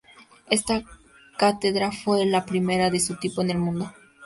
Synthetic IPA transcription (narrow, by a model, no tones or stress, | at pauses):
e̞st̪a | kat̪eðɾafwe̞lapɾime̞ɾaðe̞sut̪ipoene̞lmũnd̪o